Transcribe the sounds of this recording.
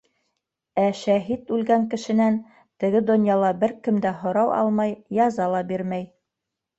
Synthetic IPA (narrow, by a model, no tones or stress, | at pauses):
æʃæɦit̪ʉlɡæŋkɘ̆ʃɘ̆næn | t̪ɘ̆ɡɘd̪ŏnjɑlˠɑbɘɾkɘ̆md̪æɦŏɾɑwɑ̰lˠmɑjjɑzɑlˠɑbiɾmæj